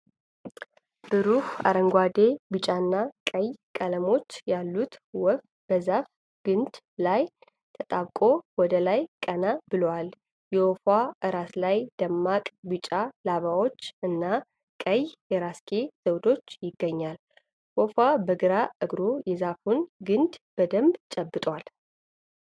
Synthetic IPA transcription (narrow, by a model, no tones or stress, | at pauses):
b̥ɨɾuha̰ɾəŋɡʷad̪ebɨt͡ʃʼaɨnːakʼəjkʼələmo̞t͡ʃːjalːut̪wɔf | b̥əzaf | ɡ̥ɨnd̪ | laj | t̪ʰət̪ʼaβkʼo̞wɔd̪əlajkʼənabɨləwal | jɛwofwaʔɨɾaslajd̪̥əmːakʼbɨt͡ʃʼalaβawo̞t͡ʃːʔɨnːa | kʼəjjɛɾaskʰe̞z̥əwd̪o̞t͡ʃːjɪɡːəɲːal | wɔfabəɡɨɾaʔɨɡɾojɛzafunɡɨnd̪b̥əd̪əmbt͡ʃʼəbːɨt̪ʼwal